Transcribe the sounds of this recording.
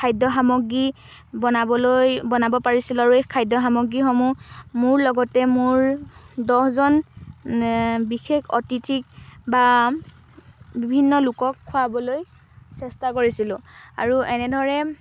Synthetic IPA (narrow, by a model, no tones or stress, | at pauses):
kʰajdɔxamɔɡi | bɔnabɔlojbɔnabɔpaɹisilʊaɹuɛkʰajdɔxamɔɡɹixɔmumʊɹlɔɡɔtɛmʊɹdɔɦzɔn | bixʰekʰɔ̰titʰik̚ba | bibʱinːɔlʊkɔkʰːʊabɔloj | sɛstakoɹisilʊ̃a̰ɹuɛnɛdʱɔɹɛ